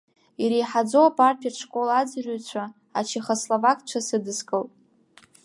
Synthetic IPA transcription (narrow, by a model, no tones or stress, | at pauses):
iɾejħad͡zoapʼarpʰiaʈ͡ʂʰkʼolad͡zrʏt͡ɕʷʰa | at͡ʃʰiχaslovakʼt͡ʃʷʰasɨdɨskʼɨlpʼ